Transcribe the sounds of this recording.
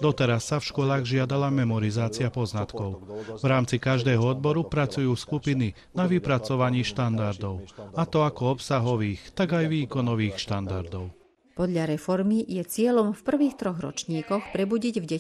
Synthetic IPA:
d̪ɔt̪ɛɾasːafʃkʊɔlaːɣʒɪad̪alamɛmɔɾizaːt͡sɪapɔznat̪kɔʊvɾaːmt͡sikaʒd̪ɛːɦɔɔd̪̚bɔɾupɾat͡sujuːskupini | naʋipɾat͡sɔʋaɲiːʃt̪and̪aɾd̪ɔʊat̪ɔakɔɔpsaɦɔʋiːxt̪aɡajʋiːkɔnɔʋiːxʃt̪and̪aɾd̪ɔʊ | pɔd̪ʎaɾɛfɔɾmijɛt͡sɪɛʎɔmfpr̩ʋiːxt̪ɾɔɣɾɔ̰t͡ʃɲiːkɔxpɾɛbuɟiɟvɟɛ

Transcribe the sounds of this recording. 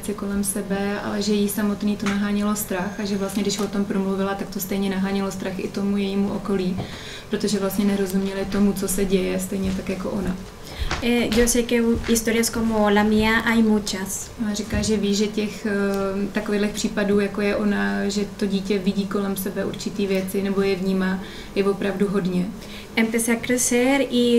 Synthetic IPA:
t͡sɪko̞lɛmsɛbɛa̰lɛʒɛjisamo̞t̪niːt̪o̞naɦaːɲɪlo̞st̪ɾaxaʒɛvlast̪ɲɛdɪʃvo̞t̪o̞mpɾo̞mluvɪlat̪ak̚t̪o̞st̪ɛjɲɛnaɦaːɲɪlo̞st̪ɾaxʔɪ̰t̪o̞mujɛjiːmuʔo̞ko̞liː | pɾo̞t̪o̞ʒɛvlast̪ɲɛnɛɾo̞zumɲɛlɪt̪o̞mut͡so̞sɛɟɛjɛst̪ɛjɲɛt̪akjako̞̰ʔona | ɡosɛkɛuɪst̪oɾɪjaskomolamiaʔajmut͡ʃasʔonarikaːʒɛviːʒɛcɛx | t̪akovilɛxpr̝̥iːpaduːjako̞jɛʔo̞naʒɛt̪o̞ɟiːcɛvɪɟiːko̞lɛmsɛbɛʔuɾt͡ʃɪt̪iːvjɛt͡sɪnɛbo̞jɛvɲiːmaː | jɛvo̞pɾavduɦo̞dɲɛ | ɛmpjɛsɛakɾɛsɛɾɪ

